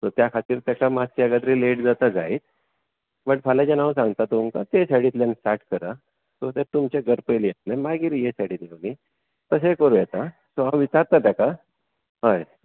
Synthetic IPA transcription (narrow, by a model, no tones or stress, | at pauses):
sot̪jakʰat̪iːɾt̪jakamat͡ɕiəɡad̪ɾiːleʈd͡zat̪ad͡zaiːt̪ | bəʈfalad͡ʑanaʋs̬ãŋɡt̪at̪umkat̪esaɽiːt̪lansʈaʈkəɾa | sot̪et̪umt͡ɕeɡəɾpəjlijet̪̚namaɡiːɾjesaɽiːt̪eʋli | t̪əsekəɾũjɛt̪a | soɦãʋit͡ɕaɾt̪at̪jaka | ɦəj